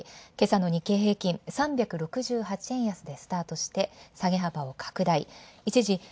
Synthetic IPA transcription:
ke̞sano̞ɲ̟ike̞ːɦe̞ːkʲĩɴsãmbʲakɯ̟ɾo̞kɯ̟ʑɨːɦat͡ɕiẽ̞ɰ̃jasɨd̪e̞sɨ̥t̪aːt̪o̞ɕi̥t̪e̞saɡe̞ɦabao̞kʰḁkɯ̟d̪aiit͡ɕiʑi

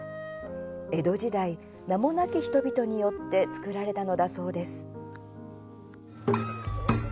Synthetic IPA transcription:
e̞d̪o̞ʑid̪ai | namo̞nakʲiçi̥t̪o̞bʲit̪o̞ɲ̟ijo̞t̪ːe̞t͡sɨ̥kɯ̟ɾaɾe̞t̪ano̞d̪aso̞ːd̪e̞sɨ̥

